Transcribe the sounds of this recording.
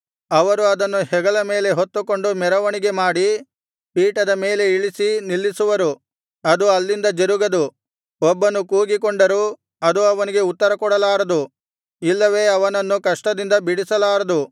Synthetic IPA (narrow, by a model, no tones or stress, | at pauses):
ɐʋɐɾuɐd̪ɐnːuhɛɡɐɭɐme̞ːle̞ɦot̪ːuko̞ɳɖumɛɾɐʋɐniɡe̞maːɽi | piːʈɐd̪ɐme̞ːle̞iɭisinilːisuʋɐɾu | ɐd̪uɐlːind̪ɐd͡ʒeɾuɡɐd̪u | ɔbːɐnukuːɡikoɳɖɐɾu | ɐd̪uɐʋɐniɡe̞ut̪ːɐɾɐkɔɽɐlaːɾɐd̪u | ilːɐʋe̞ːɐʋɐnɐnːukɐʂʈɐd̪ind̪ɐbiɽisɐlaːɾɐd̪u